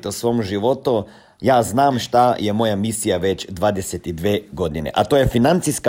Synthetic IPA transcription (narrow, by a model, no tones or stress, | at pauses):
t̪osʋo̞ːmʒiʋo̞t̪u | jaːznaːmʃt̪ajemo̞jamisijaʋet͡ɕd̪ʋaːd̪eset̪id̪ʋeːɡo̞d̪inḛʔat̪oːjefinant̪siska